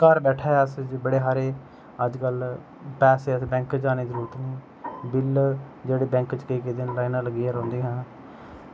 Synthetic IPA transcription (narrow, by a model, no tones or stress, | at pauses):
kəɾbɛːʈʰaːɦɛːəsbəɽeːɦaːɾeː | əd͡ʒkəl | pɛːseːəsbɛ̃ːŋkd͡ʒaːneːzəɾuːɾət̪nĩː | bɪld͡ʒeːɽeːbɛ̃ːŋkt͡ʃkəiːkeːd̪eːnlaːinãːləɡiːaːɾɔ̃ːnd̪eːɦãː